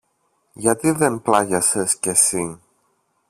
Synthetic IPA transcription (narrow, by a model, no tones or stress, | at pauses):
ʝɐt̪iðe̞nplɐʝɐsesce̞si